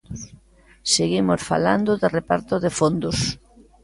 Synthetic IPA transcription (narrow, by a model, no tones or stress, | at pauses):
seɣimosfa̰la̰nd̪ʊðerepaɾt̪ʊðefond̪ʊs